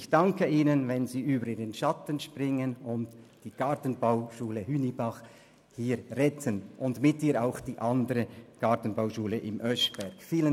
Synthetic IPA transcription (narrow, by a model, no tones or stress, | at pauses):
ɪçd̥ɑŋkəiːnənvɛnziːʔyːbəɾiːənʃɑtənʃprɪŋənʊntd̥iːɡ̥ɑɐtən̩baʊʃuːləhyːnibɑχ | hiːɾʁɛtʰənʔʊndmɪtiːaʊxd̥iːʔɑndəɾəɡ̥ɑtən̩baʊʃuːləʔɪmʔœʃb̥ɛʁkfiːlən